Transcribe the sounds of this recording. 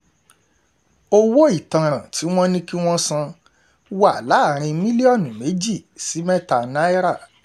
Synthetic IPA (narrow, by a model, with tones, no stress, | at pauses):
o˦wo˦i˨tã˨ɾ̃ã˨ti˨˦w̃ɔ̃˦nĩ˦ki˦w̃ɔ̃˦sã˧ | wa˦˨la˨˦˨ɾ̃ĩ˧mĩ˦li˦ɔ˦˨nũ˨me˨˦d͡ʒi˦˨si˨˦mɛ̃˦ta˨nã˦e˦ɾa˦˨